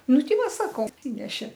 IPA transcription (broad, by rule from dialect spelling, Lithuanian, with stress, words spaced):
ˈnʊ ˈtʲɪ ˈʋɐ ˈsɑːkoː ɐtʲˈsʲɪnʲɛʃʲeː